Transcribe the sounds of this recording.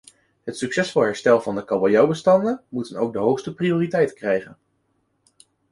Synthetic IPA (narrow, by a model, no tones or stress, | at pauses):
ɦətsyksɛsfɑlˠɦɛɹstɛlˠvɑndəkɑbojɑwbəstɑndənmutənowɡ̚dəɦowχstəprioːritɛjtə̥krɛjχən